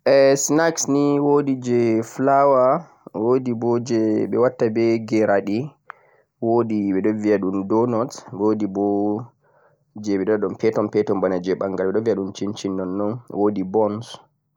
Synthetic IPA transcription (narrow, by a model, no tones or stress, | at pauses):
ʔɛsnaksniwodid͡ʒɛflawa | wodibɔd͡ʒɛɓɛwatːabɛɡɛɾaɗi | wodiɓɛɗɔvijaɗundɔnɔtwodibɔ | d͡ʒɛɓɛɗɔɔɗɔnpɛtɔnpɛtɔmbanad͡ʒɛɓaŋɡalɓɛɗɔnviaɗunt͡ʃint͡ʃinːɔnːɔnwʔodibɔns